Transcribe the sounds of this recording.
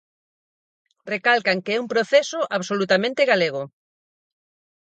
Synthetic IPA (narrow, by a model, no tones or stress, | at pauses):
rekalkaŋkeɛumpɾoθɛsʊʔaβsolut̪amẽnt̪ɪɣaleɣʊ